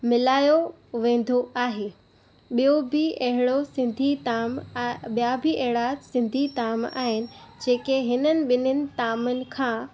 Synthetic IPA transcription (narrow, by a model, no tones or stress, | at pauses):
mɪlaːjo | ʋẽːn̆d̪ʱoaːɦeː | ɓijobɪɐɦɪɽosɪ̃nd̪ʱit̪amɓijabɪʔɐɦɪɽasɪ̃nd̪ʱit̪aːma̰ːɦɪnɪ̆ | d͡ʑeːkeɦɪnənɪ̆ɓɪnənɪ̆t̪aːmənɪ̆kʰãː